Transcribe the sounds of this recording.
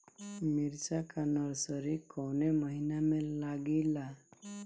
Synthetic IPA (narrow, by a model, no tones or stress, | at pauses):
miɾt͡sakanəɾsəɾikɔwneməɦinamɛlːaɡila